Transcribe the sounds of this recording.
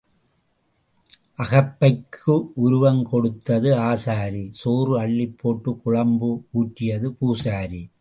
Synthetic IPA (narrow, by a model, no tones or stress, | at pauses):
ʔɐɣɐpːɐɪkʰːɯʔʊɾʊʋɐŋkɔɽɯt̪ːɐðɯaːsaːɾisoːrɯɐɭːɪpʰːoːʈːɯkʊɻɐmbɯuːʈːɪjɐðɯpuːsaːɾi